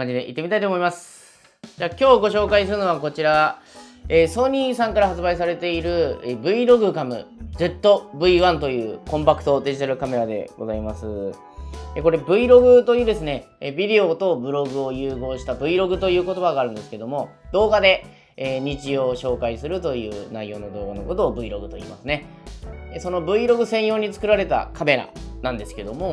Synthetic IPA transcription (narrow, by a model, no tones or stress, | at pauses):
kãɲd͡ʑid̪e̞ʔḭt̪ːemit̪ait̪oːmo̞imasɨ̥ | d͡ʑaːkʲo̞ːɡo̞ɕo̞ːkaisɨɾɯ̟no̞βako̞t͡ɕiɾa | eːso̞ɲ̟iːsãŋkaɾaɦat͡sɨbaisaɾe̞t̪e̞iɾɯ̟bɯ̟iɾo̞ɡɯ̟kamɯ̟̰d͡ze̞t̪ːo̞bɯ̟iβãnt̪o̞jɯ̟ːkõmpakɯ̟̥t̪o̞d̪e̞ʑit̪aɾɯ̟kame̞ɾad̪e̞̰ɡo̞̰zaimasɨ | eko̞ɾe̞bɯ̟iɾo̞ɡɯ̟t̪o̞jɯ̟ːd̪e̞sɨne̞bʲid̪e̞o̞t̪o̞bɯ̟ɾo̞ɡɯ̟ojɯ̟ːɡo̞ːɕi̥t̪abɯ̟iɾo̞ɡɯ̟t̪o̞jɯ̟ːko̞t̪o̞baɡaːɾɯ̟̃nd̪e̞sɨ̥ke̞d̪o̞mo̞d̪̥o̞ːɡad̪e̞ː | ɲ̟it͡ɕijo̞ːɕo̞ːkaisɨɾɯ̟t̪o̞jɯ̟ːnaijo̞ːno̞d̪o̞ːɡano̞ko̞t̪o̞ːbɯ̟iɾo̞ɡɯ̟t̪o̞ḭːmasɨne̞ | eso̞no̞bɯ̟iɾo̞ɡɯ̟sẽ̞ɰ̃jo̞ːɲ̟it͡sɨ̥kɯ̟ɾaɾe̞t̪a̰kʰame̞ɾa̰nãnd̪e̞sɨ̥ke̞d̪o̞mo̞